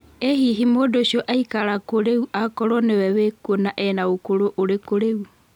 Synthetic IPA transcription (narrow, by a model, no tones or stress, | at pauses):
ehiɦimoːdoʃjɔʔaikaɾakoɾeuʔakɔɾɔnewɛwekonaʔɛnaokoɾoʔoɾekoɾeu